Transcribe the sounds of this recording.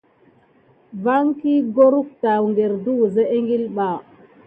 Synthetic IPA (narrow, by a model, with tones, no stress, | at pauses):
va˦ŋki˦ɡo˦ɾu˦k̚ta˨wŋɡe˨ɾdu˦ze˦ʔe˦ŋɡi˦lɓa˨